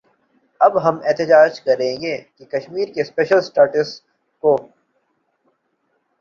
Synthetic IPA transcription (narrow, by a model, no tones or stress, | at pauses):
ɐbɦɐmɛːt̪ɪd͡ʒaːd͡ʒkɐɾẽːɡeːkekɐʃmiːɾkespeːʃəlsʈaːʈɪs | ko